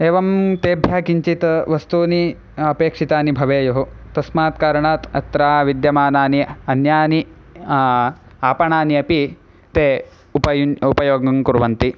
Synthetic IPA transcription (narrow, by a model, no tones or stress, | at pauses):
eːʋɐmt̪eːbʱjaːkiɲt͡ʃit̪ɐʋɐst̪uːni | ɐpeːkʂit̪aːnibʱɐʋeːjoɦut̪ɐsmaːt̪kaːɾɐɳaːt̪ɐ̰t̪ɾaːʋid̪jɐmaːnaːniɐnjaːni | aːpɐɳaːniɐpi | t̪eː | upɐjuupɐjoːɡɐŋkuɾʋɐnt̪i